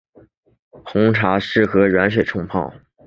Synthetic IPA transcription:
xʰʊ˧˥ŋʈ͡ʂʰa˧˥ʂɻ̩˥˩xɤ˧˥ɻa˧˥nʂ̬we˨˩ɪʈ͡ʂʰʊ˥ŋpʰɑ˥˩ʊ

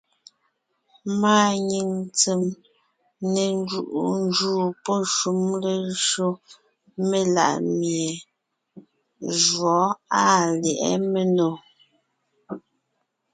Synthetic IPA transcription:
maː˦ɲi˨ŋt͡se˨m | ne˨n˦d͡ʒu˦˨ʔu˨n˦d͡ʒuː˦pɔ˦ʃu˦mle˦ʃo˦ | me˦la̰˨ʔmje˨ | ʒwɔ˨˦a˦˨ljɛ˨ʔɛ̰˦me˨no˨

